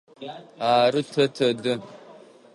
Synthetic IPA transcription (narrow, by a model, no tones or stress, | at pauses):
aːɾɨtʰɐtʰɐdɨ